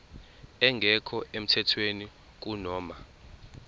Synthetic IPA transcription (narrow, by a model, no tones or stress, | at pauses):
ɛŋɡʱɛkʰɔʔem̩tʰɛtʰweni | k̬unɔːma